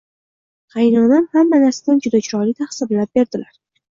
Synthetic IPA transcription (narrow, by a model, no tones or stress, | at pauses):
χɑjnɒnanhamːanaɾsad̪and͡ʒʊd̪at͡ʃʰʊɾɒlit̪ʰahsɪblap̚be̞ɾd̪ɪlaɾ